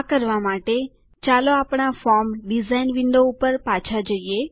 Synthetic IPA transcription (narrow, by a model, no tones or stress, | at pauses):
kəɾʋamaʈe | t͡ʃaloapɳafɔɾmɖizainʋɪɳɖoupəɾpat͡ʃʰad͡ʒəie